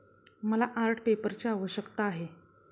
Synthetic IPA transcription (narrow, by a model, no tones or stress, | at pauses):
məlaʔaɾʈʰpepəɾt͡ɕeaʋəɕəkt̪aːɦe